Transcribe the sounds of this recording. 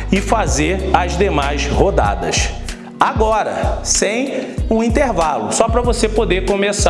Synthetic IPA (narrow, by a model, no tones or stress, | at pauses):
ɪfazeɾɐzd̪emajshod̪a̰d̪ɐ̰s | aɡɔɾɐ̰sẽj̃ũĩnt̪eɾvalʊsɔpɾɐvosepod̪ekõmesa